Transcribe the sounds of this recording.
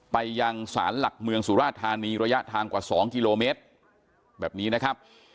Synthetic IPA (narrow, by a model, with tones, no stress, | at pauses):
pa˧jːa˧ŋsa̰ː˩˦nla˨˩k̚mɯ˧əŋsuː˩˦ɾaː˥˩t̪ʰːaː˧niː˧ɾa˧ja˦˥ʔt̪ʰaː˧ŋkwaː˨˩sɔː˩˦ŋki˧loː˧meː˦˥t̪̚ | bɛː˨˩p̚niː˦˥na˦˥kʰa˦˥p̚